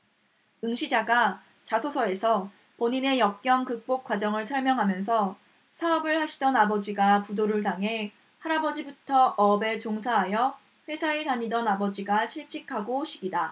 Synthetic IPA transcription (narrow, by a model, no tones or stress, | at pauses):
ɯŋɕʰid͡ʑaɡa | t͡ɕasʰosʰʌe̞sʰʌ | poɲine̞jʌk̚k͈jʌŋkɯk̚p͈ok̚k͈wad͡ʑʌŋɯɭsʰʌɭmjʌŋɦamjʌnsʰʌ | sʰaʌbɯɭhaɕʰidʌnabʌd͡ʑiɡapudoɾɯɭtaŋɦe̞ | haɾabʌd͡ʑibutʰʌʔʌbe̞t͡ɕoŋsʰaɦajʌ | ɸwe̞sʰaetaɲidʌnabʌd͡ʑiɡaɕʰiɭt͡ɕ͈ikʰaɡoɕʰiɡida